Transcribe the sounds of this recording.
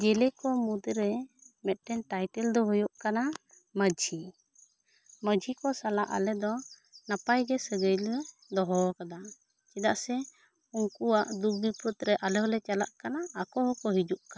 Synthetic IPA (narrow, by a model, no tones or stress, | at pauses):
d͡ʒɛlɛkɔmud̪ɾɛmɛt̪̚ˀʈɛnʈajʈɛld̪ɔɦɔjɔʔkana | məd͡ʒʱi | məd͡ʒʱikɔsalaʔa̰lɛd̪ɔnapajɡɛsəɡəjlɛ | d̪ɔɦɔkad̪a | t͡ʃɛd̪aʔsɛ | uŋkuwaʔd̪ubipət̪̚ɾɛʔalɛɦɔlɛt͡ʃala̰ʔkanaːkɔɦɔkɔɦid͡ʒuʔka